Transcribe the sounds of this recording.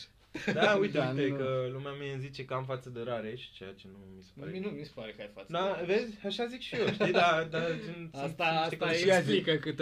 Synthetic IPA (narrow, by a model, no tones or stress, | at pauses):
d̪aujt̪eujt̪ekəlumeamieɨnzit͡ʃe̞kəamfat̪səd̪eɾaɾe̞ʃi̥t͡ʃeja̰t͡ʃe̞numise̥pa̰ɾɾnumise̥paɾekəajfat̪ːd̪avezʲaʃazikʃijoʃt̪ijd̪ad̪at͡ʃint̪aʃt̪ek̪oaeiazikəkɨt̪